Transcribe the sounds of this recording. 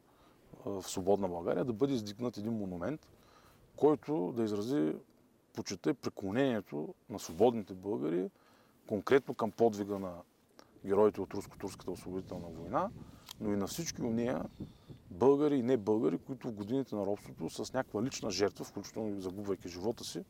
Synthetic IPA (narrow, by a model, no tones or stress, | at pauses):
fsvobɔd̪nɐbɐlˠɡa̰ɾijəd̪ɐbɤd̪ɛizd̪iɡnət̪ɛd̪inmonumɛnt̪ | kɔjt̪ʊd̪ɐizɾɐzi | pot͡ʃɛt̪ɛpɾiklˠonɛniɛt̪onɐsvobɔd̪nit̪ɛbɤlˠɡəɾi | koŋkɾɛt̪nokəmpɔd̪viɡənɐ | ɡʲɛɾɔit̪ɛot̪ɾusko̥t̪uɾskə̥t̪əosvobʊd̪it̪ɛlˠnɐvojnanoinɐfsit͡ʃkʲionɛjə̰ | bɤlˠɡəɾiːnɛbɤlˠɡəɾikoit̪ʊvɡod̪init̪ɛnɐɾɔpst̪vot̪ʊsɐsnʲakvəlit͡ʃnəʒɛɾt̪vəfklʲut͡ʃi̥t̪ɛlˠnozɐɡubvɐjkʲiʒivɔt̪əsi